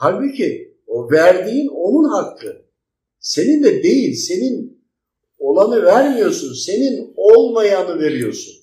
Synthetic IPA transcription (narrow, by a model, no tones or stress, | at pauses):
t̪ʰabicʰi | ovæɾd̪iːno̞nunɦak̪ːɯ | se̞nind̪ɛd̪e̞jilʲse̞nin | o̞lˠanɯvæɾmijo̞ɾsunse̞ninolˠmajanɯve̞ɾijo̞̰ɾsṵn